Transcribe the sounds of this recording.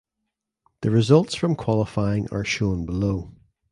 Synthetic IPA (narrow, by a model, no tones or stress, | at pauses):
ðəɹɪzʌlˠtsfɹə̃mkʰw̥ɔlˠɪfaɪɪ̃ŋə̰˞ʃõnbɪlˠoː